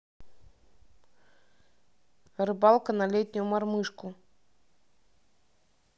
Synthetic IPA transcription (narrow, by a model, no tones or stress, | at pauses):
rɨbɑlˠkənalʲet̪ʲnʲʊjumɑrmɨʂku